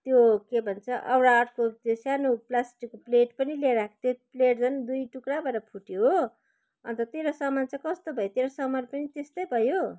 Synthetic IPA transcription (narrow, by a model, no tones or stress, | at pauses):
t̪jokebʱʌnt͡sʰʌʔʌwɾaːʈʰkot̪josanoplasʈikːopleʈpʌnileɾakʰt̪jopleʈd͡zʌnd̪ujʈukɾabʌɾʌpʰuʈjoɦo | ʌ̰nt̪ʌt̪eɾʌsʌmant͡sʌkʌst̪obʱʌjot̪eɾʌsʌmʌɾpʌnit̪est̪ʌjbʱʌjo